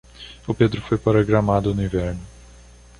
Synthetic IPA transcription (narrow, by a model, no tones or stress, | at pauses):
ʊped̪ɾʊfojpaɾoɡɾamad̪ʊnʊĩvɛɾnʊ